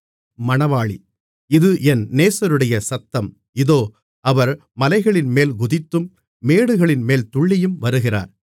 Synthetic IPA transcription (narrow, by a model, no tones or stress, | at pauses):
mɐɳɐʋaːɭḭ | ɪðɯʔɛnneːsɐɾɯɽɐjɐsɐt̪ːɐm | ɪðoː | ɐʋɐɾ | mɐlɐɪɣɐɭɪnmeːlɡʊðɪt̪ːɯmː | eːɽɯɣɐɭɪnmeːlt̪ʊɭːɪjɯmʋɐɾɯɣɪra̰ːɾ